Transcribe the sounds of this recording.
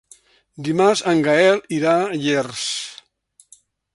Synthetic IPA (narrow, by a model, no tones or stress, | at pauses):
d̪imaɾzaŋɡaɛliɾaʎers